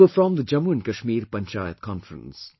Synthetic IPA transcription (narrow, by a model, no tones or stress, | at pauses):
əfɹɔ̃mðəd͡ʒʌ̃mũnkəʃmiːɾpə̃nt͡ʃaɪət̪̚kʰɔ̃nfɹə̰̃ns